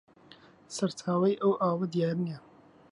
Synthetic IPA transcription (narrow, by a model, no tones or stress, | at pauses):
sɐɾtʰaːwɐjʔɐwʔaːwɐd̪jaːɾiɛ